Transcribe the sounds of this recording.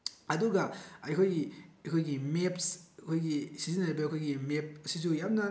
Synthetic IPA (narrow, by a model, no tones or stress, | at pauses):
ɐduɡɐɐjkʰojɡiɐkʰojɡimepskʰojɡisizinaajbɐɐkʰojɡimep̚sizujam̚nɐ